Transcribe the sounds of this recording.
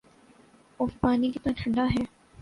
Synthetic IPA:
ʊfpaːnikit̪oãʈʰɐ̃ɳɖaɦɛː

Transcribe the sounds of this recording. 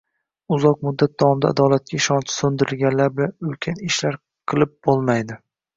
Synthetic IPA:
ʊzɒq̚mʊd̪ːat̪̚d̪ɒwɒmd̪a̰ːd̪ɒlˠat̪̚kʲʰaɪʃɒnt͡ʃʰɪ̥sɵnd̪ɪɾɪlɡʲanlaɾbɪlanɵlkʲʰanɪʃlaɾ | qʰɨlˠɪp̚bolˠmajd̪ɪ

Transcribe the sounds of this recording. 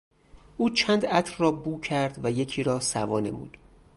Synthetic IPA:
ʔuːt͡ʃʰænd̪æt̪ʰɾrɒːbuːcʰæɾd̪væje̞cʰiːɾɒːsævɒːne̞̰mṵːd̪̥

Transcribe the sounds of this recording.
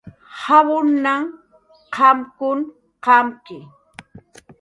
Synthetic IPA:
hawʊnːaŋ | qɑmkʊn | qɑmkɪ

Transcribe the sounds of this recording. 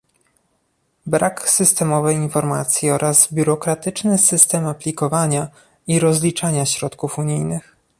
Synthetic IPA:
bɾʔaksɘst̪ɛmɔvɛjinfɔɾma̰t̪sʲjiɔɾʔazbʲjuɾɔkɾat̪ɘt͡ʂnɘsɘst̪ɛmapʲlʲikɔvaɲa | iɾɔzlʲit͡ʂaɲaɕɾɔt̪kufuɲijnɘx

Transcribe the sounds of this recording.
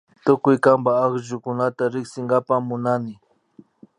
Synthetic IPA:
t̪ʊkʊjkambaːχʒʊkʊnat̪aɾɪksɪŋɡapamʊnanɪ

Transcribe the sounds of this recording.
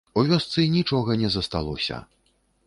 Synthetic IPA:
uvʲɔst̪sɨnʲit͡ʂɔɣɐnʲɛzɐst̪a̰lˠɔ̰sʲɐ̰

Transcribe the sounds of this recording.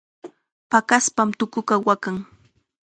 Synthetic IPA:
pakaspamt̪ʊkʊkawakaŋ

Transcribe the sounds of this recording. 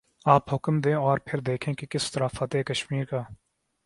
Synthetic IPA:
aːpɦʊkmd̪ẽːɔːɾpʰɪɾd̪eːkʰẽkekɪst̪ɐɾaːfɐt̪ɦekɐʃmiːɾkaː

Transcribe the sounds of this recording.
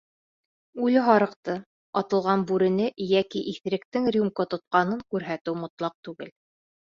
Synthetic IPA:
ʉlɘɦɑɾɤ̆qt̪ɤ | ɑt̪ɤ̆lˠʁɑnbʉɾɘ̆nɘjækiʔiθɾɘ̆k̚t̪ɘŋrʲjumkot̪ŏt̪̚qɑnɤŋkʉɾɦæt̪ɘwmŏt̪lˠɑq̚t̪ʉɡɘ̰l

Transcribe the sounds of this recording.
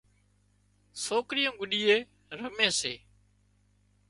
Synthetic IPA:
soːkɾɪjõːɡʊɗiːeː | ɾəmẽːsḛː

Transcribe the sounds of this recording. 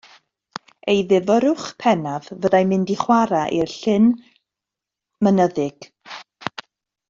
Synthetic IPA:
ejðɪvɔɾʊχpʰɛnavvədajmɪndiχwaɾaʔirɬɪn | mənəðɪɡ̥

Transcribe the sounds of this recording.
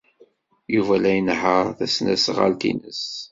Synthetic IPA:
juvælæjənhəɾθæsnæsʁa̰lt̪ḭnəs

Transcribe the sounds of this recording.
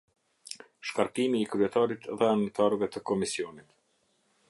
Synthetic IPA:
ʃkaɾkimiːkɾyɛt̪aɾit̪ðɛant̪ʰaɾəvɛt̪əkɔmisiɔnit̪

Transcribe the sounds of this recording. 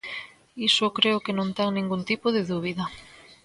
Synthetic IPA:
isʊkɾeʊkenõnt̪ɛŋnĩŋɡunt̪ipoðɪðuβ̞iðɐ

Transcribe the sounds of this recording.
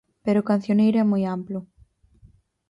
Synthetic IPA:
peɾʊkan̟θjonejɾoɛmojamplʊ

